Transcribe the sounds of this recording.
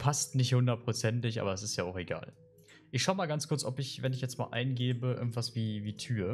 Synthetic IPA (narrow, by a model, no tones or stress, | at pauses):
pʰastnɪçthʊndɐt̚pʁ̥ot͡sɛntɪçʔa̰ːbɐɛsɪstjaːaʊxeɡa̰ːl | ʔɪçʃaʊəmaːlɡant͡skʰʊɐt͡sɔpɪçvɛnɪçjɛt͡stma̰ːlʔa̰ɪnɡeːbəʔɪ̰ɐɡŋ̩tv̥asv̥iːviːtʰyːə